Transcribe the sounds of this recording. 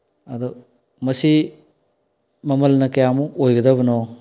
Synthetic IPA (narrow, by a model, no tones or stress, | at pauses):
ɐd̪ɔ | mɐsi | mɐmɐlnɐkɐjamuʔojɡɐdɐbɐnɔ